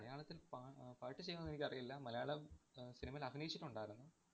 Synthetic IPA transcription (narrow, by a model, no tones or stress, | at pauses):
mɐɭɐjaːɭɐt̪ːilpapaːɻʈːɨt͡ɕejunːɐnːenikʲːɐrijilːɐmɐlɐjaːɭɐsinimɐilɐɡʱinɐjit͡ɕːiʈːuɳɖaːjiɾunːu